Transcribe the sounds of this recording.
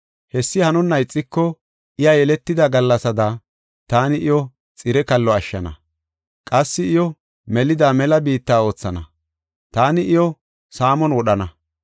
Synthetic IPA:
hɛsːɪhɐnʊnːɐjt͡sʼːɪkːɔ | ʔɪjajɛlɛt̪ːɪd̪ɐɡɐlːɐsɐd̪ɐ | t̪aːnɪʔɪjɔ | t͡sʼɪɾɛkɐlːɔɐʃːɐ̰nɐ̰ | kʼɐsːɪɪjɔ | mɛlɪd̪aːmɛlɐbiːt̪ːaːo̞ːt͡sːɐnɐ̰ | t̪aːnɪʔɪjɔ | saːmɔnwɔɗɐnɐ

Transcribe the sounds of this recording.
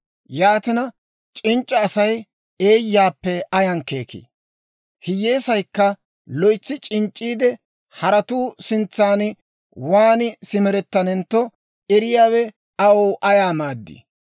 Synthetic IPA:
jaːt̪ɪnɐ | t͡ʃʼɪnt͡ʃʼːɐːsɐj | e̞ːjːaːpːɛɐjɐŋke̞ːkḭː | hɪje̞ːsɐjkːɐ | lɔjt͡sːɪt͡ʃʼɪnt͡ʃʼːiːd̪ɛ | hɐɾɐt̪uːsɪnt͡sːaːnɪ | waːnɪsɪmɛɾɛt̪ːɐnɛnt̪ːɔ | ɛɾɪjaːwɛ | ɐwoːʔɐjaːmaːd̪ːḭ

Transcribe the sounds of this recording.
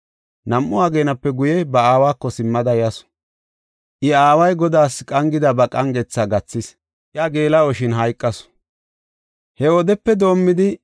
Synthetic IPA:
nɐmʔʊaːɡeːnɐpːɛɡʊjɛbɐaːwaːkːɔsɪmːɐd̪ɐjɐsɔ̥ | ʔɪaːwɐjɡɔd̪aːskʼɐŋɡɪd̪ɐbɐkʼɐŋɡɛt͡sːɐɡɐt͡sːɪs | ʔjaɡe̞ːlɐɔʃɪnɦɐjkʼːɐsɔ̥ | hɛɔd̪ɛpːɛd̪o̞ːmːɪd̪ɪ

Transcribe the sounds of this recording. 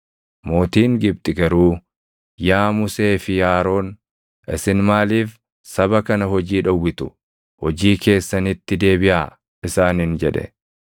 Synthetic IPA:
mo̞ːt̪iːŋɡɪb̚t̪ʼɪɡɐɾuː | jaːmʊse̞ːfɪjaːɾo̞ːn | ʔɪsɪnmaːliːf | sɐβɐkɐnɐɦɔd͡ʒiːᶑɐwːɪt̪ʊ̥ | hɔd͡ʒiːke̞ːsːɐnɪt̪ːɪd̪e̞ːbɪʔaː | ɪsaːnhɪnd͡ʒɛᶑɛ̰

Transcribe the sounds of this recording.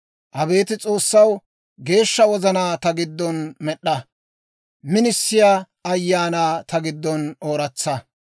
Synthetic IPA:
ʔɐbe̞ːt̪ɪt͡sʼo̞ːsːɐw | ɡe̞ːʃːɐwɔzɐnaːt̪ɐɡɪd̪ːɔnmɛɗːɐ | mɪnɪsːɪja | ɐjːaːnaːt̪ɐɡɪd̪ːɔnoːɾɐt͡sːɐ

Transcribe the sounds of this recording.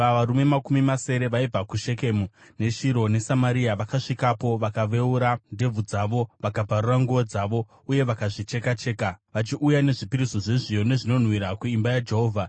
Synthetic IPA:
aʋaɾume̞makumimase̞ɾe̞ʋaib͡vakuʃe̞kemune̞ʃiɾo̞ne̞samaɾiaʋakaʂikapo̞ʋakaʋe̞uɾande̞b͡vud͡zaʋo̞ʋakabʱaruraŋɡuʋod͡zaʋo̞ | uje̞ʋakaʐit͡ʃe̞kat͡ʃe̞ːkaʋat͡ʃiʔujane̞ʐipiɾiso̞ʐe̞ʐijo̞ne̞ʐino̞n̤wiɾakuimbajad͡ʒe̞ɦo̞ːvʱa

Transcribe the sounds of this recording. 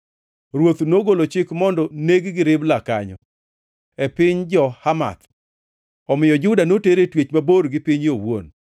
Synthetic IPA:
ɾwot̪noɡolot͡ʃɪkmɔndɔneɡɡɪɾɪblaka̰ɲɔ̰ | ɛpɪɲd͡ʒɔhama̰t̪ | ɔmɪjɔd͡ʒʊdanoteɾetwet͡ʃmaboɾɡɪpɪɲowon

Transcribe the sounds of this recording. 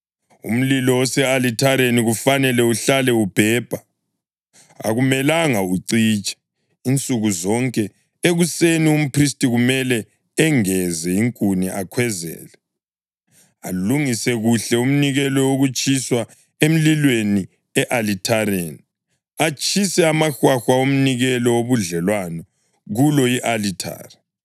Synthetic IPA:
ṵm̩lilɔwɔsɛalitʰaɾeniɣufanɛlɛuɬalɛub̥ʱɛːb̥ʱa | a̰ɣumɛlaŋauǀiːt͡ʃʼḁ | int͡sʼuɣuzɔŋkʼɛ | eɣusenium̩pʰristʼiɣumɛlɛː | ŋɛzɛiŋkʼuniʔakʰwɛzɛ̰ːlɛ | a̰luŋisɛɣuɬɛum̩niɣɛlɔwoɣut͡ʃʼiswa | em̩lilweni | ɛʔalitʰaɾeni | at͡ʃʼʰisɛamaxwaxwaom̩niɣɛlɔwoβuɮɛlwanɔ | ɣulɔiʔalitʰa̰ːri

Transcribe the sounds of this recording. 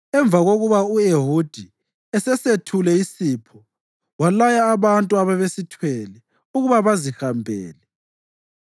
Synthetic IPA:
ɛɱb̪vʱaɣoɣuβaueɦud̥ʱi | ɛsɛsetʰulɛisipʰɔ | walajaːβantʼuaβɛβesitʰwɛlɛ | uɣuβaβazihambʱɛ̰ːlɛ

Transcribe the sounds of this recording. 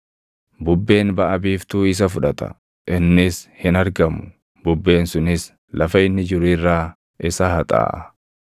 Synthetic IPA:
bʊbːe̞ːnbɐʔɐbiːft̪uːɪs̬ɐfʊᶑɐt̪ɐ̰ | ʔɪnːɪshɪnɐɾɡɐmʊ̥ | bʊbːe̞ːnsʊnɪs | lʔɐfɐɪnːɪd͡ʒɪɾiːrːaː | ʔɪsɐhɐt̪ʼa̰ːʔɐ

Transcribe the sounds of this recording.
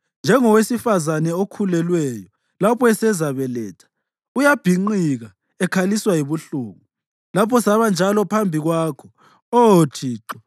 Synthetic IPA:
nd͡ʒʱɛŋɔwesifazanɛokʰulɛlwɛjɔ | lapʰɔɛsɛzaβɛlɛːtʰḁ | ujab̥ʱiŋ͡ǃiɣa | ɛkʰaliswajiβuɬṵːɣu | lapʰɔsaβand͡ʒʱalɔpʰambʱiɣwaːkʰɔ | ootʰiːǁɔ̥

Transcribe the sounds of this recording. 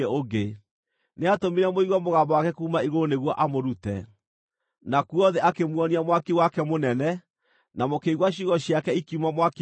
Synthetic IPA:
oɡe | neatomiɾɛmoiɣwɔmoɣaːmbɔwakɛkuːmaiɣooneɣwɔʔamoɾutɛ̰ | nakuɔðɛʔakemwɔniamwakiwakɛmonɛnɛ | namokeiɣwaɕiɣɔɕiakɛikiumamwak

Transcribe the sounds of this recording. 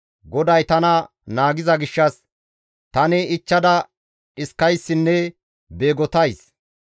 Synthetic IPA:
ɡɔd̪ɐjt̪ɐnɐ | naːɡɪzɐɡɪʃːɐs | t̪ɐnɛɪt͡ʃːɐd̪ɐ | ɪskːɐjsːɪnːɛ | be̞ːɡɔt̪ɐjs

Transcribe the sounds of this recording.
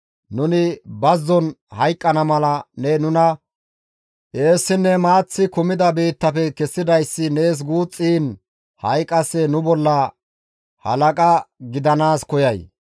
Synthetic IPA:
nʊnɪbɐzːɔnhɐjkʼːɐnɐmɐlɐnɛnʊnɐ | ʔe̞ːsːɪnːɛmaːt͡sːɪkʊmɪd̪ɐbiːt̪ːɐfɛkɛsːɪd̪ɐjsːɪne̞ːs̬ɡuːt͡sʼːiːn | hɐjkʼːɐsɛnʊbɔlːɐ | hɐ̰lɐkʼɐɡɪd̪ɐnaːskɔjɐj

